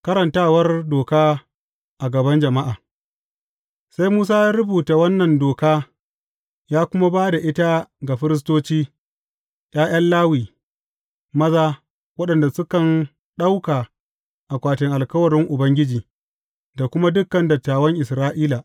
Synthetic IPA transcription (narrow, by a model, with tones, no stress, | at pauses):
kɐ˦ɾɐ˨ntaː˦wɐ˦rdoː˨kaː˦ | ʔa˨ɡɐ˨bɐ˦nd͡ʒɐ˨ma˦ʔaː˨ | sa˦jmuː˦s̬aː˦ja˦ɾʊ˦buː˨ta˨wɐ˦nːɐ˨ndoː˨kaː˦ | jaː˦kʷʊ˦ma˦baː˦da˨ʔɪ˦ta˦ɡa˨ɸɪ˦ɾɪ˦s̬toː˦t͡ʃiː˦ | j̰ʲaː˦j̰ʔɐ˦nlaː˦wiː˨ | mɐ˦zaː˦ | wɐ˦ɗɐ˨nda˨sʊ˦kɐ˨n | ɗa˦wkaː˨ | ʔa˨kʷaː˨tɪ˨ŋʔa˨lkɐ˦wɐ˨ɾɪ˦ŋʔʊ˨bɐ˦ŋɡʲɪ˦d͡ʒiː˨ | da˨kʷʊ˦ma˦dʊ˦kːɐ˨ndɐ˨tːaː˨wɐ˦ŋʔɪ˨sɾaː˦ʔiː˦la˨ʔ